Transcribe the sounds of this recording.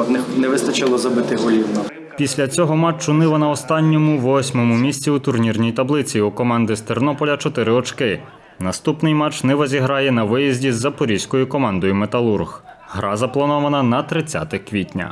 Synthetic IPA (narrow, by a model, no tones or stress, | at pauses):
nnɛʋɪst̪ɐt͡ʃɪlˠɔzɐbɪt̪ɪɦɔlʲiwnɔ | pʲisʲlʲɐt͡sʲɔɦɔmɑt͡ʃːʊnɪʋɐnɐɔst̪ɑnʲːɔmʊʋɔsʲmɔmʊmʲisʲt͡sʲiut̪ʊrnʲirnʲijt̪ɐblˠɪt͡sʲiukɔmɑnd̪ɪst̪ernɔpɔlʲɐt͡ʃɔt̪ɪɾɪɔt͡ʃkɪ | nɐst̪upnɪjmɑt͡ʃnɛʋɔzʲiɦɾɑjɛnɐʋɪjizʲdʲizːɐpɔɾʲijsʲkɔjʊkɔmɑnd̪ɔjʊmet̪ɐlˠurɣ | ɦɾɑzɐplˠɐnɔʋɐnɐnɐt̪ɾɪt͡sʲːa̰t̪ɪkʋʲitʲnʲɐ̰